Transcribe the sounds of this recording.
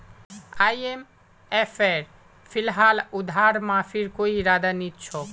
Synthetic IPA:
ajem | efʰeɾ | fʰilɦalud̪ʱaɾmãfʰiɾkoiɾad̪anit̪ːʃʰo

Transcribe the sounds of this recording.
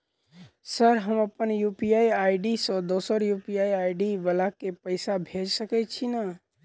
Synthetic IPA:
səɾɦəməpənjupijajaɪɖisə̃d̪osəɾjupijaiaɪɖiʋəlakepəɪsabʱed͡ʒsəkɛt͡ʃʰina

